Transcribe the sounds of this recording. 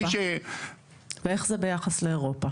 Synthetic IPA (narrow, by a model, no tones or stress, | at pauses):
ʃe | vee̞χzebe̞jaχasleeʁo̞pa